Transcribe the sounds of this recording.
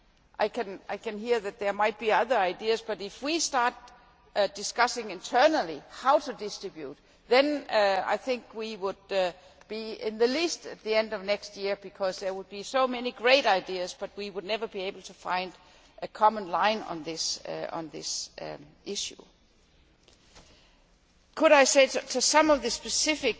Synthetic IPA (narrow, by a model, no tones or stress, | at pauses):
ʔaɪkʰɨ̃naɪkʰɨ̃nɦiəðæt̪̚ðə˞maɪt̚b̥iʌðə˞aɪdiɨzb̥ʌɾɪfwistɑɹt̚ | d̥ɪskʌsɪ̃ŋɪ̃ntʰɜ˞nəl̩ˠihaʊtʰudɪstɹ̥ɨbjut | ðɨ̃na̰ɪθɪ̃ŋkwiwʊd̚ | b̥iɪ̃nðɨlistɨt̪̚ðiɛ̃ndʌvnɛkst̚jɪəb̥ɨkʰʌzðə˞wʊd̚bisoʊmɛniɡɹeɪɾaɪdiɨzb̥ʌt̚wiwʊdⁿnɛvə˞bieɪbl̩ˠtʰəfãɪ̃nd̥ | ʔɨkʰɑmə̃nlãɪ̃nə̰̃nðɪsə̰̃nðɪs | ʔɪʃṵ | kʰəɾaɪseɪtʰɨsʌ̃mʌvðɨspɨsɪfɪk̚